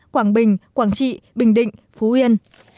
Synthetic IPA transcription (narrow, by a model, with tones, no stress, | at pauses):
kwaː˧˩ŋɓï˨˩ŋ̟kwaː˧˩ŋt͡ɕḭ˧˨ɓï˨˩ŋ̟ɗḭ̈˧˨ŋ̟ | fu˨˦hwi˧ən